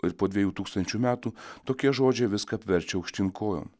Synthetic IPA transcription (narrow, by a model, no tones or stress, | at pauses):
ɪɾpoːd̪ʲʋʲiɛjuːt̪uːkst̪ɐnʲt͡ʃʲuːmʲæːt̪uːt̪oːkʲiɛʒoːd͡ʒʲɛɪʋʲɪskɐɐpʲʋʲɛɾʲt͡ʃʲɛɐʊkʃʲt̪ʲɪŋkoːjo̰ːm